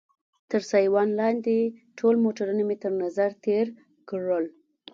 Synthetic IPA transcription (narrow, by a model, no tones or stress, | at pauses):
t̪əɾsɑjwɑnlɑnd̪eʈʰolmoʈaɾunamet̪əɾnazaɾt̪ʰeɾ | kɽəl